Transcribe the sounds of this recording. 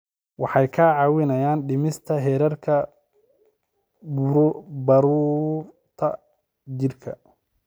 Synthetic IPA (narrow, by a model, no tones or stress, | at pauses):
wɑħɑjkʰaːʕɑːwɪnɐjaːnɖɪmɪst̪ʰɐɦɛːɾɐrkʰɐ | bɐɾuːɾ | t̪ʰɐ | d͡ʒɪrkʰɐ